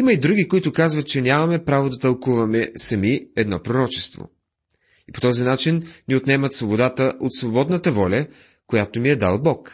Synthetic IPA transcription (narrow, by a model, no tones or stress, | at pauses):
iməid̪ɾuɡikoit̪ʊkazvɐt̪t͡ʃɛnʲamɐmɛpɾavod̪ɐt̪ɐlˠkuvɐmɛsɐmiɛd̪nɔpɾoɾɔt͡ʃɛ̥st̪vo̰ | ipo̥t̪ɔzinat͡ʃinniot̪nɛmɐt̪svobod̪at̪əʔot̪svobɔd̪nət̪əvɔlʲɐ | kojat̪omiɛd̪a̰lˠbɔk